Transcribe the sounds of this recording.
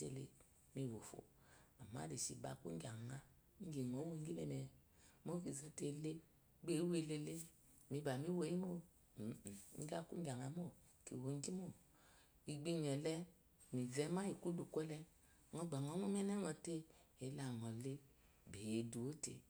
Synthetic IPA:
ḛ˧˨le˧ | mi˧˨wo˨fo̰˨ | a˨ma̰˦de˨ʃḭ˧˨ba̰˨˧˨kṵ˦ɡʲa˨ŋa˧˦ | ŋ̩˦ɡi˨ŋo˨˦wo˦ɡi˦mɛ˧˨mɛ˨mo˦ki˨zo˧˦te˧˨˦le˦ | ɡ͡be˨˦we˧le˧le˦ | mi˧ba˨mi˦wo˧˦i˦mo˦˨˦ | ɡa˦kṵ˦ŋ˦ɡʲa˨ŋa˨˦mo˦˨ | kḭ˨wo˨˦ŋ˦ɡi˦mo˦˨ | i˨ɡ͡bi˧ɲɛ˨lɛ˦ | mi˨vɛ˧˦ma˦i˨ku˦du˨kʷɛ˦lɛ˧ | ŋɔ˧ɡ͡ba˨ŋɔ˨˦ŋo˦m˦ɛ˦nɛ˦ŋɔ˨te˦e˨˦la˨ŋɔ˨le˦ | be˨je˨du˨o˦tḛ˨

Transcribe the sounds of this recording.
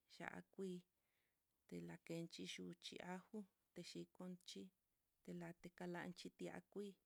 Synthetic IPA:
ʃa̰˨ʔa̰˧kʷiː˧ | t̪e˧la˨˧ke˧nt͡ʃi˧ʃu˧t͡ʃḭ˧ʔa˦hu˦ | t̪e˧ʃi˧ko˧nt͡ʃi˦ | t̪e˧la˧t̪e˧ka˧la̰˧ʔnt͡ʃi˦t̪i˧a̰˧kʷiː˦

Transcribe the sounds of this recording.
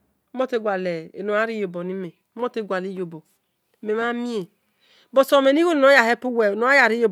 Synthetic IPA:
mo˦te˦ɡʷa˨le˨e˨no˨a˦ɾi˦jo˨bo˨ni˦me˨˦mo˦te˦˨ɡʷa˨li˦jo˨bo˨ | me˨ma˦mi˦e˨ | bo˨so˨me˨n˦i˦ho˦n˨no˨˦ja˨he˦pu˦we˨no˨a˦ja˨ɾi˦jo˨

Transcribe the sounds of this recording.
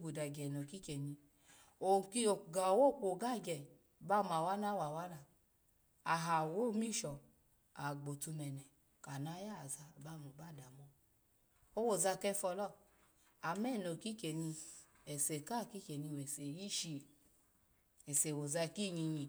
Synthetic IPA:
ɡu˨da˨ɡɛ˨no˨ki˦ke˨ɲi˧ | o˨ki˦o˨ɡa˨wo˦˨k͡po˨ɡa˦˨ɡɛ˨ | ba˦˨m˨a˨wa˦na˦wa˨wa˦na˧˨ | a˨ɦa˨wo˦˨mi˦˨ʃɔ˨ | a˨ɡ͡bo˨tu˧mɛ˨nɛ˨ | ka˨na˧˦ja˦˨za˧˨ba˦˨mu˨ba˦˨da˨mɔ˧ | o˧wo˨za˧kɛ˧fɔ˧lɔ˦ | a˨mɛ˦˨no˨ki˦ke˨ɲi˧ | ɛ˨se˨ka˦˨ki˦ke˨ni˧we˨se˨ji˦ʃi˧˨ | ɛ˨se˨wo˨za˧ki˦˨ɲi˧ɲi˧

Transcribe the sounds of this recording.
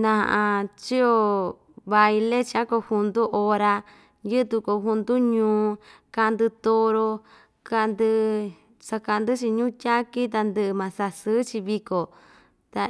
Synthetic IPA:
nã˧ã˧ʔã˧t͡ʃi˦o˧ | βa˧i˧le˦t͡ʃi˧a˦ko˧hu˧nd̪u˦ʔo˧ɾa˧ | jɨ˦t̪u˧ko˧ɦu˧nd̪u˦ɲũː˧˦ | ka˧nd̪ɨ˧t̪o˧ɾo˧ | ka˧nd̪ɨ˧ | sa˧ka˧nd̪ɨ˦t͡ʃi˧ɲũː˦tʲa˦ki˦t̪̬a˧nd̪ɨ˧ʔmã˨sa˧sɨ˦t͡ʃi˧βi˧ko˨ | t̪a˧

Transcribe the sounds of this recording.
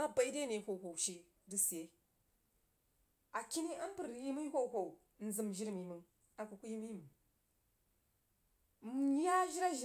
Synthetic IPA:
a˦ba˨i˦de˦ne˨ho˨ho˨wʃi˦ | di˦si˨e˦ | a˨ki˦ni˦a˦n˦pə˨ɾji˦mu˦hʷo˦˨ho˨u˨˦n̩˨zɨ˨mʒi˦ɾmi˨mɨ˦ | a˨ku˨ku˦ji˦mi˦˨m˨ | m˨˦ja˦ʒi˦ɾa˦ʒ

